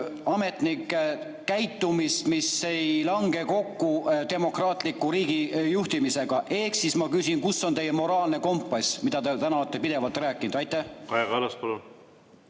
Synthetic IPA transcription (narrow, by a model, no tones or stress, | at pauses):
ɑme̞t̪nikː | kːæjt̪ːˑumist̪mise̞jlɑŋɡe̞ko̞kːut̪e̞mo̞krɑːt̪ˑlikːuɾiːɡijuht̪imise̞ɡ̥ɑʔe̞hksismɑkysʲinkusːo̞nt̪e̞jemo̞ɾɑːlne̞ko̞mpːˑɑsʲmid̪̥ɑt̪et̪ænɑɑt̪ːˑepid̪e̞vɑlt̪rɾæːkˑːinud̪ɑjt̪ːˑæhɑjɡɑɑlɑspɑlu